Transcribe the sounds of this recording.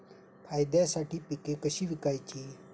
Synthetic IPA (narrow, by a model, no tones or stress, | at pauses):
pʰaːjd̪ɛsaʈʰipikekəɕiʋikajt͡ɕi